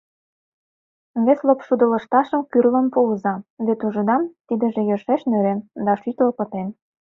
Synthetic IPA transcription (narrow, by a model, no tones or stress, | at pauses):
βeslopʃud̪ə̆lə̆ʃt̪ɑʃə̆mkyrlə̆mpuəzɑβet̪uʒə̆d̪ɑmt̪id̪ə̆ʒĕjɤrʃeʃnøɾend̪ɑʃyt̪lɤpə̆t̪en